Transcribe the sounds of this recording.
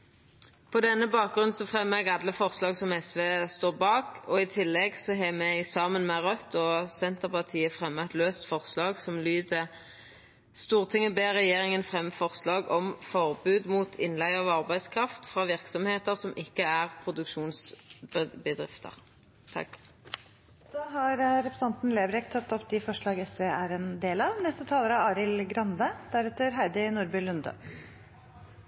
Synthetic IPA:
pʰɔd̪ɛnːəbɑːk̚ɡʁʉnsɔfʁɛmːɛɡɑd̪ləfɔʁslɑːɡsɔmɛsʋeːst̪oːʁbɑːkɔɪt̪ʰɪlːɛɡsɔɦɛmɛɪsɑːmənmɛʁœt̪ːɔsɛnt̪əʁpʰɑʁt̪ʰiːəfʁɛmːəɛt̪løːst̪fɔʁslɑːɡsɔmlyːd̪ə | st̪uːʁt̪ʰɪŋːəbeːʁɛjeːʁɪŋənfʁɛmːəfɔʁslɑːɡɔmfɔʁbʉːd̪muːt̪ʰɪnlæɪɑʋɑʁbæɪskʰʁɑft̪fʁɑːʋɪʁksɔmheːt̪əʁsɔmʔɪkːəæʁpʰʁʊd̪ʉkʃuːns | bəd̪ʁɪ̰ft̪ə̰ʁ | t̪ʰɑ̰k | d̪̥ɑːɦɑɾɾɛpɾəsɑnt̪n̩leːbɾɛkt̪ʰɑt̪ːɔpd̪ɪfɔʂɭɑːɡɛsʋeːʔæɾɛnd̪eːlɑʋnɛst̪ət̪ʰɑːləɾəɑːɾɪlɡɾɑnd̪əd̪̥æɾɛt̪ːəɾɦæɪd̪ənuːɾbɪlʉnd̪ə̰

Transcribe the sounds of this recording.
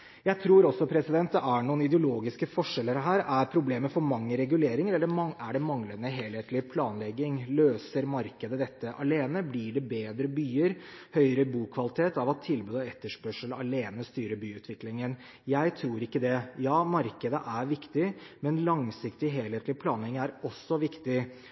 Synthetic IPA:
jæɪt̪ʰɾuːɾɔsːɔpʰɾɛsɪd̪ɛnt̪̚d̪ɛʔæɳuːənɪd̪ɛʊloːɡɪskəfɔʂɛlːəɾɦæːɾæɾpʰɾʊbleːməfɔɾmɑŋːəɾɛɡʉleːɾɪŋəɾɛlːəɾæɖɛmɑŋlənəɦeːlheːt̪lɪpʰlɑːnlɛɡːɪŋløːsəɾmɑɾkəd̪əd̪ɛt̪ːəʔɑleːnəblɪɖɛbeːd̪ɾəbyːəɾhœʏəɾəbuːkʰʋɑlɪt̪ʰeːt̪ɑʋɑt̪ʰːɪlbʉːd̪ɔɛt̪ːəʂpœʂəlɑleːnəst̪yːɾəbyːʉːt̪ʋɪklɪŋən | jæɪt̪ʰɾuːɾɪkːəd̪ɛjɑːmɑɾkəd̪əʔæɾʋɪkt̪ɪmɛnlɑŋsɪkt̪ɪɦeːlheːt̪lɪpʰlɑːnlɛɡɪŋæɾɔsːɔʋɪkt̪ɪ

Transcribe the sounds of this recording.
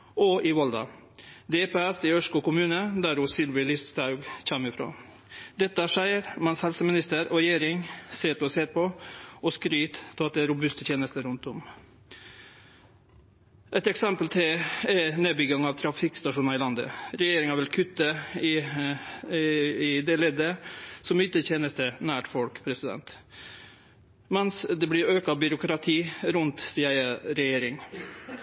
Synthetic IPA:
ɔʔɪʋɔld̪ɑ̰ | d̪epeːɛsɪœʂkʊːkʊmʉːnəd̪æɾʊsɪlʋɪlɪst̪ʰɑʉɡc͡çɛmɪfɾo̰ː | d̪ɛt̪ːəʂæɪəɾmɑnshɛlsəmɪnɪst̪əɾɔɾɛjeːɾɪŋseːt̪ɔseːɾpʰɔɔskɾyːt̪ʰːɑt̪̚d̪ɛæɾʊbʉst̪ət̪ʰjeːnəst̪əɾʉnt̪ʊm | ʔɛt̪ɛksɛmpəlt̪ʰɪɛneːbʏɡɑŋɑʋt̪ʰɾɑfɪkst̪ɑʂuːnɑɪlɑnd̪ə̰ɾɛjeːɾɪŋæʋɛlkʰʉt̪ːə | ɪd̪ɛleːd̪əsɔmyːt̪ət̪ʰjeːnəst̪ənæːʈfɔlkpʰɾɛsɪd̪ɛ̰nt̪ | mɛnsd̪ɛblɪɾøːkɑbʏɾʊkɾɑt̪ʰiːɾʉnt̪siːəəɾɛjeːɾɪŋ

